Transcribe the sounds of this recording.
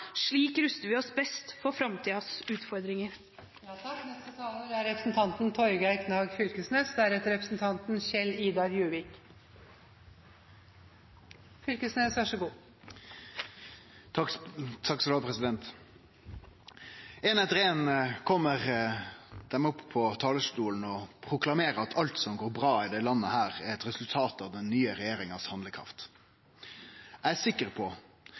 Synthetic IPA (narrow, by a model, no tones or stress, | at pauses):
ʂɭiːkɾʉst̪əɾʋɪɔsbɛst̪fɔɾfɾɑmt̪ʰiːɑsʉːt̪fɔɾd̪ɾɪŋəɾ | jt̪ʰɑkːnɛst̪ət̪ʰɑːləd̪ɛæɾɛpɾəsn̩t̪ʰɑnt̪nt̪ʰɔɾɡæɪkʰnɑːɡfʏlkəsneːsd̪æɾɛt̪əɾɛpɾəsnt̪ʰɑnt̪nɕɛliːd̪ɑɾjʉːʋɪk | fʏlkəsneːsʋæʂəɡuː | t̪ʰɑkːsɔɑpʰɾɛsɪd̪ɛnt̪ | ɛnɛd̪ʁeːənkʰɔmːəʁ | d̪̥ɛmʊppʰːɔt̪ʰɑːləst̪uːln̩ɔpʰʁʊklɑmeːɾəɑt̪ʰɑlt̪sɔmɡoːɾbɾɑːɪd̪ɛlɑnːəhæːʁæɾɛt̪ɾɛsʉlt̪ʰɑːt̪ɑʋd̪ɛnːyːəɾɛjeːɾɪŋɑshɑnəkʰʁɑ̰ft̪ | æɪæsɪkːəɾpʰɔ